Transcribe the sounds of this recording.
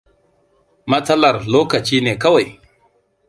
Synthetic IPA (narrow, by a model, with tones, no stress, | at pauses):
ma˦t͡sa˦la˨ɾlo˦ka˨t͡ʃiː˦ne˨ka˦wa˨j